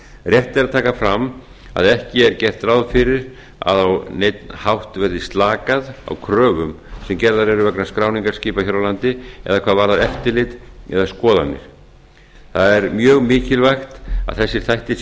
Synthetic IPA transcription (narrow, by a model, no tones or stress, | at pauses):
rjɛht̪ɪɾaðt̪ʰaːkafɾam | a̰ðɛhcɪɛɾcɛr̥t̪rawðfɪɾɪɾ | a̰ðawnejt̪nhawht̪vɛɾðist̪laːkaða̰wkʰɾœːɣʏm | sɛmcɛɾðaɾɛɾʏvɛknaskɾaːwniŋkaɾ̥sciːpaçjaɾwlant̪ɪɛ̰ðakʰvaːðvaːɾðaðɛft̪ɪlɪt̪ɛ̰ðaskɔːða̰nːɪ̰ɾ̥ | θaðɛɾmjœːɣmɪːcɪlvajxt̪a̰ðθɛsːɪɾ̥θajht̪ɪ